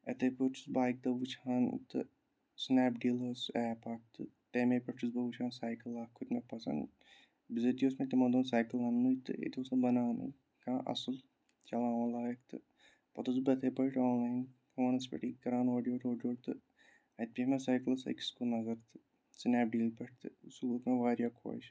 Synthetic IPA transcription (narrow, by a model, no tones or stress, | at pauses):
ɐ̰t̪ʰepət͡ʃʰi̥sbaːik̚d̪ɐʋut͡ʃʰaːnt̪ɨ | snaːpɖiːlɐsɛːpaːk̚t̪ɨ | t̪eːmeːpɐt͡ʃʰis̬bɐʋut͡ʃʰaːnsaːjkɐlaːkʰːut̪ʲmɐpɐsɐ̰n | bizɐt̪ioːsmẽt̪ɐmɐd̪oːnsaːjkɐlɐnːuit̪ɨ̰ḛt̪ʰoːsɐbɐnaːnɨ̰ | kaːʔɐ̰sɨl | t͡ʃɐlaːɐlaːjɐkt̪ɨ̰ | pɐt̪uzbɐt̪ʰeːpɐiʈaːnlaːjnkɐʋɐnɐs̬pɐ̰ʈiːkːɐɾaːnoːɖijoːʈoːɖjoːʈt̪ɨ | ɐt̪̚pʲimɐsaːjkɨlɐsɐ̰kskulnɐzɐɾt̪ɨ̥ | snaːp̚ɖiːlpɐʈʰt̪ɨsuːt̪meʋaːɾʲjaːkʰo̰ːjt͡ʃ